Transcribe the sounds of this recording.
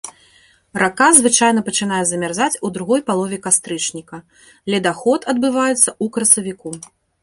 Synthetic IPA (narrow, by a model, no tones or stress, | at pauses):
rakazvɨt͡ʂajnɐpɐt͡ʂɨn̪ajɛzɐmʲarzat͡sʲud̪ɾuɣɔjpalˠɔvʲɛkast̪ɾɨt͡ʂnʲikɐ | lʲɛd̪axɔt̪ɐd̪̚bɨvajɛt̪sːɐukɾɐsɐvʲiku